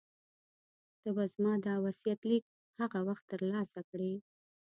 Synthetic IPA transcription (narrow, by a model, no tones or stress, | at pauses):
t̪əbazmɑd̪ɑwasijat̪lik̚ | haɣawaxt̪ːəɾlɑsakɽe